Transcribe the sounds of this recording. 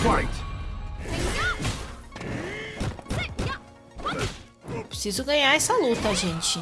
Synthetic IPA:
faj | epɾesizʊɡɐ̃ɲaɾɛsɐlut̪ɐʒẽnt͡ʃɪ

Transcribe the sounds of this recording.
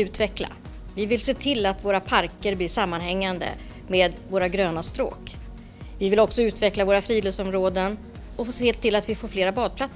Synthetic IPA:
ʉ̟ːt̪vɛkla̰ | vɪvɪlseːt̪ʰɪlːat̪voːɾapʰaɾkəɾblɪʂamːanɦɛŋːand̪ə̰ | meːd̪voːɾaɡɾøːnast̪ɾo̰ːk | vɪvɪlɔksɔʉ̟ːt̪vɛklavoːɾafɾiːløːsɔmɾoːd̪ən | ɔfseːeːlt̪ʰːɪlːat̪vɪfoːɾfleːɾabɑːd̪̚pʰlat̪s

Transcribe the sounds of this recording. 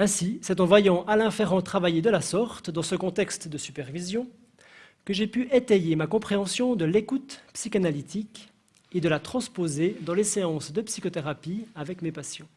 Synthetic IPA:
ɛ̃sisɛt̪ɑ̃vwajɑ̃ʔalɛ̃fɛʁɑ̃t̪χavajed̪əlasɔʁt̪d̪ɑ̃səkɔ̃t̪ɛkst̪d̪əsypɛʁvizjɔ̃ | kəʒepyʔet̪ɛjemakɔ̃pχeɑ̃sjɔ̃d̪əlekut̪psikanalit̪ik | ed̪əlat̪χɑ̃spozed̪ɑ̃leseɑ̃sd̪əpsi̥kot̪eʁapiavɛkmepasjɑ̃

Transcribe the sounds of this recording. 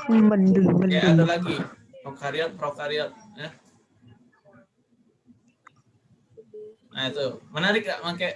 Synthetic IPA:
mənduŋmənauat̪ulaɡi | ɾɔkaɾiɔt̪̚ɾɔkaɾiɔt̪̚ | ja | ait̪umənaɾɪk̚ːa̰ʔmake

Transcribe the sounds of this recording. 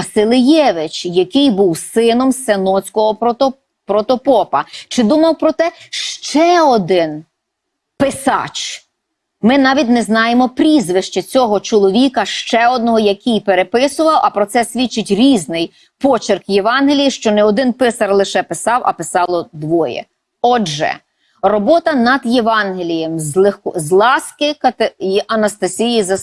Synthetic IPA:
ɐsɪlˠɪjɛʋɪt͡ʃjɐkɪjbuwsɪnɔmsenɔt͡sʲkɔɦɔ | pɾɔt̪ɔpɔpɐt͡ʃɪd̪umɐwpɾɔt̪ɛʃt͡ʃɛɔd̪ɪn | pɪsɑ̰t͡ʃ | mɪnɑʋʲit̚ʲnɛznɑjemɔpɾʲizʋɪʃt͡ʃet͡sʲɔɦɔt͡ʃɔlˠɔʋʲikɐʃt͡ʃɛɔd̪̚nɔɦɔjɐkʲijpeɾepɪsʊʋɐwʔɐpɾɔt̪sɛsʲʋʲit͡ʃːɪtʲɾʲiznɪj | pɔt͡ʃɪrkjeʋɑnɦelʲijiʃt͡ʃɔnɛɔd̪ɪnpɪsɐrlˠɪʃɛpɪsɑwʔɐ̰pɪsɑlˠɔd̪ʋɔjɛ̰ | ɔʒɛ̰ | rɔbɔt̪ɐnɐd̪jeʋɑnɦelʲijemzlˠzlˠɑskɪkɐt̪ɐnɐst̪ɐsʲijizɐ

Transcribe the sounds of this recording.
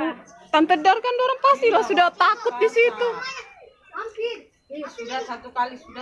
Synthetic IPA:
t̪ant̪ədarkandoɾaŋpast̪iɾasudat̪akʊt̪̚disit̪u | isudasat̪ukalisuda

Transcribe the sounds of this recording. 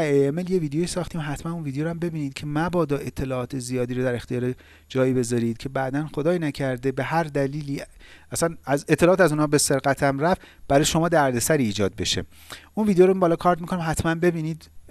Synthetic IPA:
æeemeljeviːd̪ejo̞jisɒːxt̪iːmɦæt̪ʰmænunvid̪ejoɾæmbe̞biːniːd̪̚cʰe̞mæbɒːd̪ɒːʔe̞t̪ʰːe̞lɒɒːt̪ʰezijɒːd̪iːɾod̪æɾe̞xt̪ijɒːɾe | d͡ʒɒːjibe̞zɒɾiːd̪̥̚cʰe̞bæʔd̪ænxod̪ɒːjinæcʰæɾd̪e̞be̞hæɾd̪æliːliːæsænæzet̪ʰːelɒːt̪æzuːnhɒːbe̞se̞ɾɣæt̪ʰæmɾæf | b̥æɾɒːjeʃo̞mɒːd̪æɾd̪e̞sæɾiːd͡ʒɒːd̪̚be̞ʃḛ | unvid̪ejoɾobɒːlɒːkʰɒːɾt̪mikonimɦæt̪ʰmænbe̞biːniːd̪

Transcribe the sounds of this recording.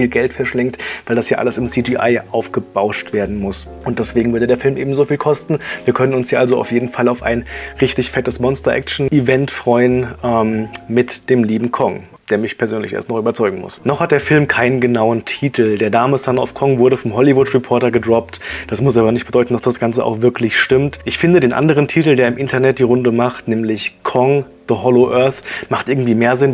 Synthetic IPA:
fiːlɡɛltfɛɐʃlɛŋtvaɪldasjaːʔa̰ləsɪmsiːd͡ʒiːʔa̰ɪʔaʊfɡ̥əb̥aʊʃtv̥eːɐdn̩mʊs | ʔʊnt̚d̥ɛsv̥eːɡŋ̩vʏɐdədeːɐfɪlmʔeːbm̩zofiːlkʰɔstn̩viːɐkʰœnənʊnsjiːʔalzoa̰ʊfjeːdn̩falaʊfa̰ɪnʁɪçtɪçfɛtəsmɔnstɐʔɛ̰kt͡ʃn̩ivɛntfʁ̥ɔʏənʔɛːmmɪtd̥eːmliːbm̩kʰɔŋ | d̥eːɐmɪçpʰɛɐzøːnlɪçḛɐstnɔχyːbɐt͡sɔʏɡŋ̩mʊ̰snɔχhat̚d̥eːɐfɪlmkʰaɪnənɡənaʊəntʰiːtʰl̩deːɐdaːməsana̰ʊfkʰɔŋvʊɐɾəfɔmɦɔlivʊtʁɛpʰɔɐtɐɡədʁɔp̚td̥asmʊsaːbɐnɪçtb̥əd̥ɔʏtn̩d̥asd̥asɡ̥ant͡səʔa̰ʊxv̥ɪɐklɪçʃtɪmtʔɪçfɪndədeːnʔa̰ndəʁ̞əntʰiːtl̩deːɐɪmʔɪntʰɐnɛt̚d̥iːʁʊndəmaχtnɛːmlɪçkʰɔŋ | ðəhɔloʔœɐθmaχt̚ʔɪɐɡŋ̩tv̥iːmeːɐzɪn

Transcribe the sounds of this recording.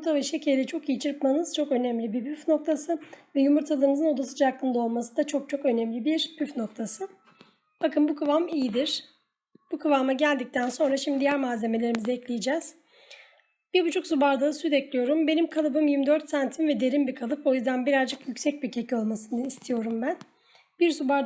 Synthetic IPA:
umɾt̪ʰaveʃɛcʰejd̪ɛt͡ʃʰo̞kijit͡ʃʰɯɾk̪manɯz̥t͡ʃʰo̞kø̞næmlʲibibyfno̞kt̪ʰasɯvɛjumuɾt̪ʰalˠaɾɯmɯzɯno̞d̪asɯd͡ʒaklˠɯnd̪ao̞lˠmasɯnd̪at͡ʃʰo̞k̚t͡ʃʰo̞kø̞nɛmlʲibiɾbyfno̞k̚t̪ʰasɯ | b̥akʰɯnbukʰɯvamijid̪iɾ̥ | b̥ukʰɯvamaɟælʲd̪ic̚t̪ʰænso̞nɾaʃimd̪diijæɾmaːze̞me̞lʲe̞ɾimizɛɛclʲijid͡ʒɛz̥ | b̥iɾbut͡ʃʰuksubaɾd̪asytd̪ɛclʲijo̞ɾumbe̞nimkʰalˠɯbɯmjimd̪øɾt̪sant̪ʰinvɛd̪e̞ɾimbikʰalˠɯpo̞jyzd̪anbiɾazd͡ʒɯkjycsɛc̚biɾcʰecʰio̞lˠmasɯnɯist̪ʰijo̞ɾumbæn | biɾsubaɾ

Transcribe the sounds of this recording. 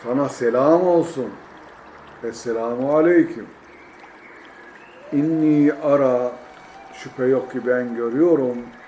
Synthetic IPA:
sanaselʲaːmo̞lˠsun | ɛselaːmualʲejcʰym | inːiːaɾa | ʃypʰɛjokcibænɟø̞ɾyjo̞ɾum

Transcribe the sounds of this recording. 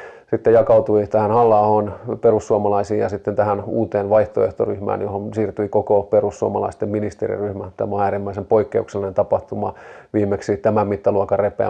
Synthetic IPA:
sit̪ːejɑkɑut̪uit̪æhænhɑlːɑːhonperusːuɑmɑlɑisiːjɑsit̪ːent̪æhænuːt̪eːnʋɑiht̪oeht̪oryhmæ̰ːnjohonsiːrt̪uikokoperusːuɑmɑlɑ̰ist̪emminist̪ḛrḭryhmæt̪æmoæːrimːæisempoikːeukselːinent̪ɑpɑht̪umɑʋiːmːeksit̪æmæmmit̪ːɑluɑkɑrepḛæ̰

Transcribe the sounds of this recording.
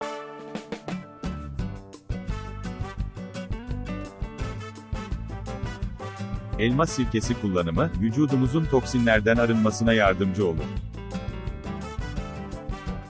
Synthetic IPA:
ɛlʲmasiɾce̞sikʰulˠːanɯmɯvyd͡ʒuːd̪umuzunt̪ʰo̞ksinlʲæɾd̪ænaɾɯnˠmasɯnajaɾd̪ɯmd͡ʒɯo̞lˠṵɾ

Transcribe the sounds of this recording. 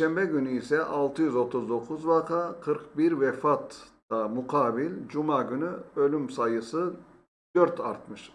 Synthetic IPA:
ʃɛmbɛɟynyisɛʔalˠt̪ʰɯjyzo̞t̪ʰuzd̪o̞kʰuzvakʰakʰɯɾkbiɾvɛfat̪ː | amuqʰaːbilʲd͡ʒumaɟynyø̞lʲymsajɯsɯ | d̪̥øɾt̪ʰaɾt̪mɯʃ

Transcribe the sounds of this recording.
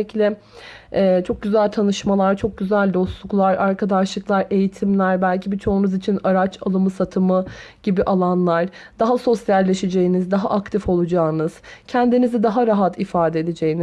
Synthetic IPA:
clʲɛ | ɛt͡ʃʰo̞k̚ɟyzælʲt̪ʰanɯʃmalˠaɾt͡ʃʰo̞k̚ɟyzælʲd̪o̞slˠuklˠaɾaɾkʰad̪aʃlˠɯklˠaɾe̞jit̪ʰimlʲæɾbælʲcʰibit͡ʃʰo̞unuzit͡ʃʰinaɾat͡ʃʰalˠɯmɯsat̪ʰɯmɯɟ̥ibiʔalˠanlˠaɾ̥ | d̪̥aɦaso̞sjalʲːeʃed͡ʒe̞jinizd̪aɦa̰ʔak̚t̪ʰifo̞lˠud͡ʒaːɯnɯz̥cʰɛnd̪inizid̪aɦaɾaɦat̪ʰifaːd̪ɛeed̪ed͡ʒejini

